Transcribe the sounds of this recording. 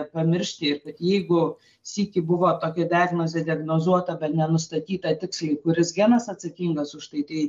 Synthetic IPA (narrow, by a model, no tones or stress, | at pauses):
pɐmʲɪɾʲʃʲt̪ʲɪɪrkɐt̪jɛɪɡʊ | sʲiːkʲɪbʊʋoːt̪oːkʲɛdʲaːɡnoːzʲeːd̪ʲɪɐɡnoːzuɔt̪ɐbʲɛt̪nʲɛnʊst̪ɐt̪ʲiːt̪ɐt̪ʲɪkslʲˠɐɪkʊɾʲɪsɡʲæːnɐsɐt̪sɐkʲiŋɡɐsʊʃt̪ɐɪt̪ɐɪ